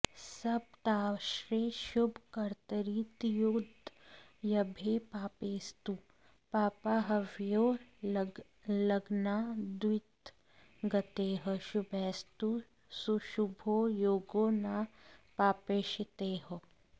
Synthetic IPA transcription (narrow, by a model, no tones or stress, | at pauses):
sɐb̚t̪aːʃɾeʃʊbʱkɐɾt̪əɾit̪jud̪ | jɐbʱepaːpeːst̪u | paːpaɦɐʋjoː | lɐɡnad̪wɪt̪ | ɡɐt̪eːɦəʃʊbʱɛːst̪u | suʃubʱojoːɡoːnaːpaːpeːʃɪt̪eːɦo